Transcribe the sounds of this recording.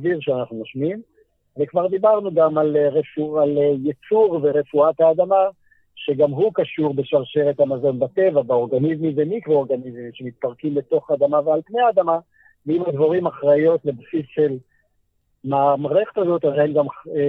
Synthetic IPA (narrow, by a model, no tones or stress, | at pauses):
viʁʃeanaχnunoʃmim | vekvaʁd̪ibaʁnuɡamalʁefualjet͡suʁve̞ʁe̞fuat̪haːd̪ama | ʃe̞ɡamɦukaʃuʁbe̞ʃaʁʃeʁet̪hamazo̞nbat̪e̞vabeo̞ʁɡanizmivemikʁooʁɡanizmiʃemit̪̚paʁkimbe̞t̪o̞χaːd̪amavealpnejaːd̪ama | veimazvoʁimaχʁajo̞t̪lebsisʃel | mamʁeχet̪azo̞t̪azenɡam